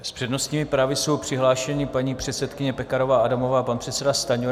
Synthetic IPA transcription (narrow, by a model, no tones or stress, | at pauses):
spr̥ɛdnost̪ɲiːmɪpɾaːvɪso̞wpr̥ɪɦlaːʃɛɲɪpaɲiːpr̝̥ɛt̪sɛt̪kɪɲɛpɛkaɾo̞vaːadamo̞vaːpanpr̥ɛt̪sɛdast̪aɲo